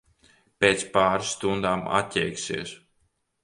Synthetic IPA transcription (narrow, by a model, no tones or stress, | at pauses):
pʲeːt̪spaːɾsːt̪und̪aːma̰t̪ʲːɛjksiɛs